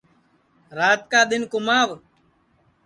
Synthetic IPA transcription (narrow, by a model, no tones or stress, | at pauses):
ɾaːt̪̚kaːɗ̪ɪnkʊmaːʋ